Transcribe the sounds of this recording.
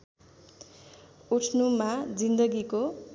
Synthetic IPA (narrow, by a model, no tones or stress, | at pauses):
uʈʰnumad͡zind̪ʌɡiko